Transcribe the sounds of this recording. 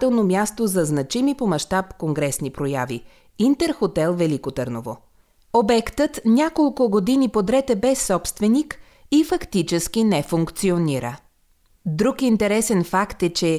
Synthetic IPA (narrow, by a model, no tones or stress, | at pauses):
ɛlˠnomjast̪ozɐznɐt͡ʃimipomɐʃt̪apkoŋɡɾɛsnipɾoja̰vḭ | int̪ɛɾxot̪ɛlˠvɛlikot̪əɾnovo̰ | obɛkt̪ət̪nʲakolˠkʊɡod̪inipod̪ɾɛt̪ɛbɛsːɔpst̪vɛnik | ifɐkt̪it͡ʃɛsk̟inɛfuŋkt̪sioniɾə̰ | d̪ɾukint̪ɛɾɛsɛnfakt̪ɛt͡ʃɛ